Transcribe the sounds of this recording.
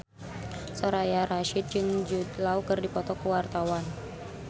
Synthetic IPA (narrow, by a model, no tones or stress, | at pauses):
sɔɾajaɾaʃit̪̚d͡ʒɨŋd͡ʒud̪laukɨrdipɔt̪ɔkəwart̪awan